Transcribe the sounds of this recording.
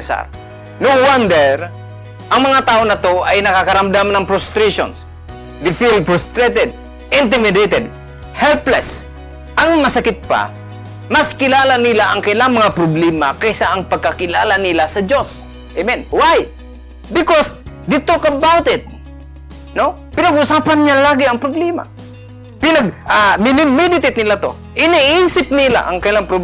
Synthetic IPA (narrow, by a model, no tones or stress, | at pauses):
sa̰ɾ | nowand̪ɛɾ | ʔɐŋmɐŋat̪aːʔonɐt̪oʔajnɐkakɐɾamd̪amnɐŋpɾost̪ɾɛʃo̰ns | d̪ɪfilpɾost̪ɾɛt̪ɛd̪̚ | ʔɪnt̪ɪmɪd̪ɛt̪ɛd̪ | hɛlplɛs | ʔɐŋmɐsakɪt̪̚pa̰ | mɐskɪlaːlanɪlaʔɐŋkɐʔɪlaŋmɐŋapɾʊblɛmakɐjsaʔɐŋpɐɡ̚kakɪlaːlanɪlasɐd͡ʒos | ʔemɛnwaj | bɪkosd̪ɪt̪okabawt̪ɪt̪̚ | no | pɪnaɡʔʊsaːpanɲalaːɡɪɐŋpɾʊblɛma̰ | pɪnaɡ̚ʔamɪnɪmːɪd̪ɪt̪ɪt̪̚nɪlat̪o̰ | ʔɪniʔiːsɪp̚nɪla̰ʔɐŋkɐɪlaŋpɾʊ